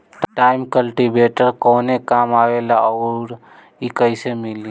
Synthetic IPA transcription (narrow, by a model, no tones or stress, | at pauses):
ʈaːɪmkəlʈibeːʈəɾkɔːnekaːmaːʋeːlaɔːɾ | ikəɪsemɪli